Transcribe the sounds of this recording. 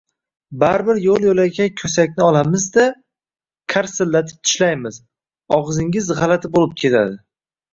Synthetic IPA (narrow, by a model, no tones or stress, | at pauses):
baɾbɪɾjolˠjolaɡʲakʲʰɵsakʲnɪɒlˠamɪzd̪a | kʲʰaɾsɪlːat̪ʰɪ̥p̚t̪ʰɪ̥ʃlajmɪz | ɒʁzɪŋʲɪzʁɑlat̪ʰɪbolɪp̚kʲʰe̞t̪ʰa̰d̪ɪ